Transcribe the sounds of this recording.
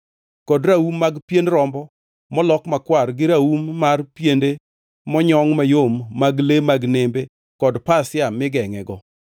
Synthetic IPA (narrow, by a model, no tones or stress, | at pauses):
kɔdɾaumːaɡpjendɾɔmbɔ | mɔlɔkmakwarɡɪɾaumːarpjende | mɔɲɔŋmajomːaɡlemaɡnembe | kɔdpasɪamɪɡɛŋɛɡɔ